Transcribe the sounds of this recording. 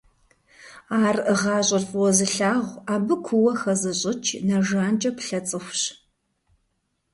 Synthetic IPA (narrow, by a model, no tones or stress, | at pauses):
aːrʁɑːɕʼɐrfʼwɔzɨɬaːʁʷaːbɨkʷʰʊwɐxɐzɨɕʼɪt͡ʃʰnɐʒaːnt͡ʃʼɐpɬɐt͡sʼɨxʷɕ